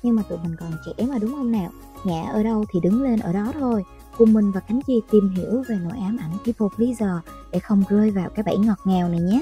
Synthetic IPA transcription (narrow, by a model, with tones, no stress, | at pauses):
ɲɨ˧ŋmaː˨˩t̪ṵ˧˨mï˨˩ŋ̟kɔ˨˩nt͡ɕḭ˧˩ʔɛ˨˦mʔəː˧˩ɗʊ˨˦ŋ͡mhə˧nnaː˨˩w | ŋɛ̰˧˨ʔəː˧˩ɗə˧wt̪ʰi˨˩ɗɨ˨˦ŋle˧nʔəː˧˩ɗɔ˨˦t̪ʰo˧j | kʊ˨˩ŋ͡mmï˨˩ŋ̟vaː˨˩ka˨˦ŋ̟zi˧t̪i˨˩mɦḭ˧˨əwve˨˩no̰˧˨jʔaː˨˦mʔa˧˩jŋ̟t͡ɕi˧˦fo˨˩k̚li˨˦zəː˨˩ɗḛ˧˩xə˧wŋ͡mɣəː˧jvaː˨˩wkaː˨˦jɓa̰˧˥jŋɔ˨˩t̚ŋɛ˨˩wna˨˩ɲɛː˨˦